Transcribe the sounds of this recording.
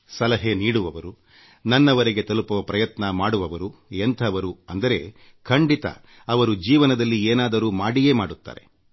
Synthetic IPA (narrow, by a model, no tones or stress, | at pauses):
sɐlɐɦeniːɽuʋɐʋɐɾu | nɐnːɐʋɐɾeɡe̞t̪ɐlupɐʋɐpɾɐjɐt̪nɐmaːɽuʋɐʋɐɾuent̪ʰɐʋɐɾuɐnd̪ɐɾe̞ | kʰɐɳɖit̪ɐ̰ | ɐʋɐɾud͡ʒiːʋɐnɐd̪ɐlːieːnaːd̪ɐɾuːmaːɽijeːmaːɽut̪ːa̰ːɾe̞